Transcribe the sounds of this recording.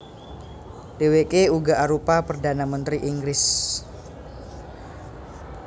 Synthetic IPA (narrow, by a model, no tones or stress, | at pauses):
dewekeuɡaʔaɾupapərdanamənt̪ɾiʔiŋɡɾɪs